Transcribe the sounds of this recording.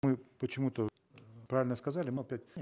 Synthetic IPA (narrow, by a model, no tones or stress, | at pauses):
mɨpət͡ɕɪmut̪ə | pɾavʲɪlʲnəskɐzalʲɪmɨɐpʲætʲ